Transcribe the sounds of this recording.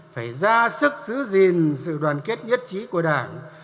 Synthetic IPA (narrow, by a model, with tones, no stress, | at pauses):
faː˧˩jzaː˧sɨ˦˥k̚zɨ˨˦zi˨˩nsɨ̰˧˨ɗwaː˨˩nke˦˥t̚ɲə˦˥t̚t͡ɕi˨˦ku˧˩əɗaː˧˩n